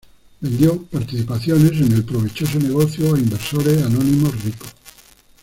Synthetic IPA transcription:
be̞nd̪jopaɾt̪iθipaθjone̞s̬ene̞lpɾoβit͡ʃo̞s̬one̞ɣ̞o̞θjoaimbeɾso̞ɾeanonĩmoriko

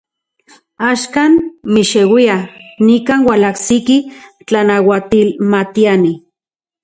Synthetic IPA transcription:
aʃkanmiʃewianikaːnwalahsiki | t͡ɬanawat̪ilmat̪iani

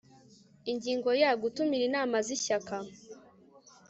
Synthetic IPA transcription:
iɲɟiːŋɡo̞jaɡutumiɾinaːmaziɕaka

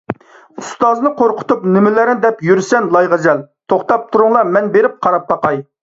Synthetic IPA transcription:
ust̪ɑznɨqʰoɾqʰʊ̥t̪upnɪmɪlɪɾnɪd̪ɛpjyɾsɛnlˠɑjʁæzɛlt̪ʰoχt̪ɑp̚t̪ʰuɾʊŋlˠɑmɛnbeɾɪp̚qʰɑɾɑp̚bɑqɑj

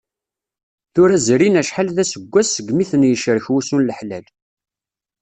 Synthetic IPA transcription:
θʊɾæzɾinæʃħalðæsəɡʷːæsːəɡmiθənjəʃɾəçwusunləħlæl

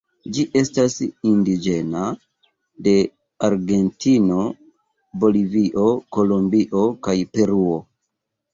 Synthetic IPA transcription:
d͡ʒiʔe̞stasindid͡ʒe̞na | de̞ | aɾɡe̞ntino̞ | bo̞liviʔo̞ko̞lombiʔo̞kajpe̞ɾuo̞

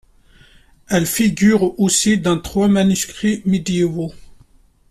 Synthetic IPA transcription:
ɛlfiɡʲyʁosid̪ɑ̃t̪χwamanyskχimed̪jeo

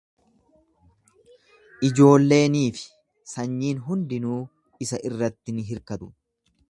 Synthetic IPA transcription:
ʔɪd͡ʒo̞ːlːe̞ːniːfɪ̥ | sɐɲːiːnɦʊnd̪ɪnuː | ɪsɐʔɪrːɐt̪ːɪnɪɦɪɾkɐt̪ʊ̥

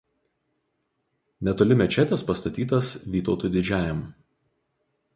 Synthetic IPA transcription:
nʲɛt̪oːlʲɪmʲɛt͡ʃʲɛt̪ʲɛspɐst̪ɐt̪ʲiːt̪ɐsʋʲiːt̪oːt̪uːˑd̪ʲɪd͡ʒʲæːjɛm

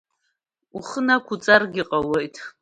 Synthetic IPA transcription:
uχənakʷʰʊt͡sʼarɡʲɪqʼawejtʰʼ

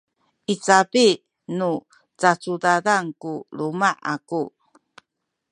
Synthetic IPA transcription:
ʔit͡sapi | nu | t͡sat͡sudadaŋkulumaʔa̰ku

